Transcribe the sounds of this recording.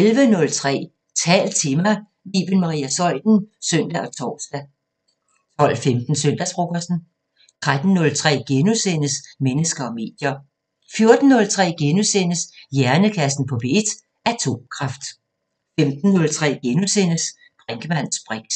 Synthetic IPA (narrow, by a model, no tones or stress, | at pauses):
elʋənɔ̽lt͡sʰʁɛ̰ː | t͡sʰɛ̰ːl̥̚t͡sʰe̝mɑɪ | lḭːʋ̥ənmɑ̈ʁḭːæsɒ̽l̰d̥n̩søn̰d̥æʔɒ̽t͡sʰɒ̰ːsd̥æ | t͡sʰɒ̽l̰femd̥n̩søn̰d̥æsb̥ʁoɡ̥ɐsn̩ | t͡sʰʁad̥n̩ːɔ̽lt͡sʰʁɛ̰ːɡ̥enusen̰əsmenəsɡ̥ɐɒ̽me̝̰ːd̥jɐ | fjo̝ɐd̥n̩ːɔ̽lt͡sʰʁɛ̰ːɡ̥enusenəsjæɐnəkʰæsn̩pʰɒ̽b̥e̝ed̥ | æt͡sʰo̝̰mkʰʁɑ̈fd̥ | femd̥n̩ːɔ̽lt͡sʰʁɛ̰ːɡ̥enusen̰əs | ɡ̥ʁeŋɡ̥əmæn̰sb̥ʁɛɡ̥̚